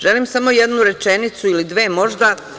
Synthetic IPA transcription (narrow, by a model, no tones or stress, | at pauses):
ʒe̞limsamo̞jed̪nuɾe̞t͡ʃe̞nit̪suilid̪ʋe̞ːmo̞ʒd̪a